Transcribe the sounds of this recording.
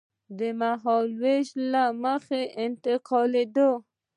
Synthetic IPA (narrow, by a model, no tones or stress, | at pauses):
d̪əmaɦɔlweʃlaməxeʔɪnt̪ɪqʰɔled̪o